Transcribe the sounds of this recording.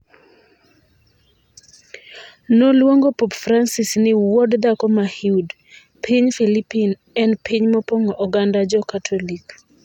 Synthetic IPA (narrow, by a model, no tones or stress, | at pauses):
nolwoŋɡopopfɾansisnɪwɔdd̪akɔmahiud | pʰiɲfilipin | ɛnpʰiɲmɔpoŋɔʔɔɡandad͡ʒɔkat̪ʰɔlik